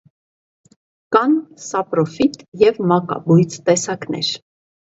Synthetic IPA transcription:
kɑnsɑpɾɔfit̪jɛvmɑkɑ̰bujt͡st̪ɛsɑknɛ̰ɾ

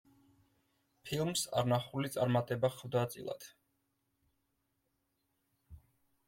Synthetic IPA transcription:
pʰilˠmsa̰ɾnaχulit̪sʼa̰ɾmat̪ʼɛbaχvd̪at̪sʼḭlˠa̰d̪̥

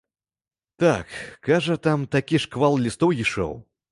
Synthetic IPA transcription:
t̪akːaʐɐt̪amt̪akʲiʂkvalˠlʲist̪ɔwjiʂɔ̰w

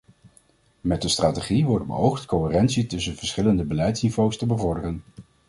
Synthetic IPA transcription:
mɛt̚dəstraːteχiʋɔɹd̚bə̰owχtkoɪrɛnsitɵsənv̥əɹsχɪləndəbəlɛjtsnivowstəbəvɔɹdərən

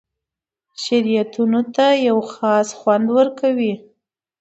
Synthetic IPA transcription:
ʃaɾijat̪unot̪ajawxɑsxwand̪wəɾkawi

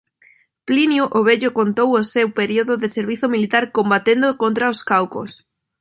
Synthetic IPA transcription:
plinjuʔoβeʎʊkont̪owosewpeɾioðʊðeseɾβiθomilit̪aɾkombat̪end̪okont̪ɾaoskawko̰s

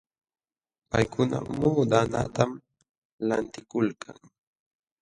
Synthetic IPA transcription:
pajkʊna̰muːd̪ana̰t̪am | lant̪ɪkʊlkʰaŋ

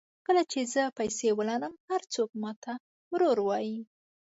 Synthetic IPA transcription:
kəlat͡ʃezəpajsewəlɑnəmhaɾt͡sok̚mɑt̪a | wɾoɾwɑji

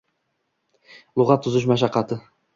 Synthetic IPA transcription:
lˠʊʁɑt̪ʰːʊzʊʃ̬maʃɑqːɑt̪ʰɪ

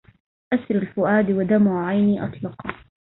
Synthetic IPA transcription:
ʔasɾalfʊʔaːd̪wad̪amʕajniːʔɑ̰t̪ˤlɑqɑ

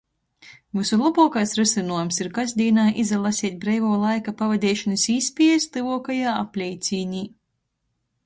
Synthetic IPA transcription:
vɨsulˠabuːkajsɾɛsɨnuɔjumsiɾkazʲd̪ʲiːnaːʔizalˠasʲiɛt̪̚ʲbɾɛjvuːlˠajkapavɛd̪ʲɛːʃɔnɨsispʲiɛst̪ɨvuɔkajaːa̰plʲɛjt̪sʲiːɲiː

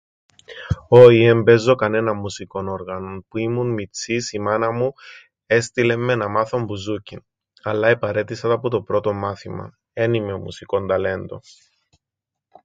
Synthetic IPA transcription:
oiembe̞zːo̞kɐne̞nɐmːusiko̞no̞ɾɣɐno̞npuimunmit͡sisimɐnɐmu | e̞st̪ile̞mːe̞nɐmɐθo̞mbuzucin | ɐlːɐepɐɾe̞t̪isɐt̪ɐpot̪o̞pɾo̞t̪o̞mɐθimɐ̰ | e̞nimeomṵsiko̞nd̪ɐle̞nd̪o̞̰

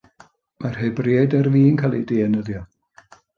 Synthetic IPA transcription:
marheɨbriaɨdərviːnkʰalˠḭdeːɛnəðjɔ

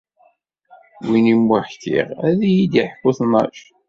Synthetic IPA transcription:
winimwʊħkḭʁæðijid̪jiħkːʊθnɑ̰ʃ

